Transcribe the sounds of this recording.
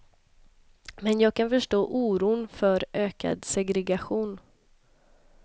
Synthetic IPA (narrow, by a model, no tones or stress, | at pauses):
mɛnjɑːɡ̚kʰanfœʂʈoːʔuːɾuːnfœɾʔøːka̰d̪sɛɡɾɛɡaɧuːn